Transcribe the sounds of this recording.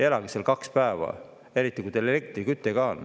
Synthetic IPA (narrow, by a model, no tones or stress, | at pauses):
elɑɡiselkɑkspæevɑ̰ | e̞ɾit̪ːˑikujt̪elelek̚t̪rikyt̪ːˑeɡ̥ɑol